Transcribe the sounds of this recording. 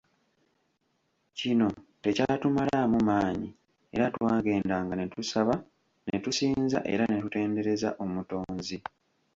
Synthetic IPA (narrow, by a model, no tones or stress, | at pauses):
cino̞te̞caːtumalamumaːɲi | e̞̰ɾatwaːɡe̞ːndaːŋɡane̞tusaβa | ne̞̰tusiːnza̰ʔe̞̰ɾane̞tute̞ːnde̞ɾe̞za̰ʔo̞muto̞ːnzi